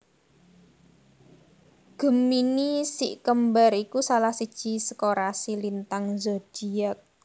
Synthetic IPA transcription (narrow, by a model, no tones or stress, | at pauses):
ɡ̥ə̤minisḭʔkəmbaɾikusalahsid̥ʒ̥i̤sə̥koɾasilint̪aŋzɔd̥i̤ak̚